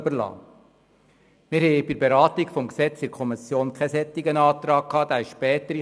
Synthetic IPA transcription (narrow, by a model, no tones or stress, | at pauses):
bəlɑ̰ː | mɪɾhɛbɪɾbeɾɑːt̪ikfɔmksɛt͡sɪɾkʰɔmisjoːnkʰɛsɛt̪ːiɡənɑːt̪ɾɑːk̚kʰːɑːd̥̪aːɪʃʃpɛːt̪əɾi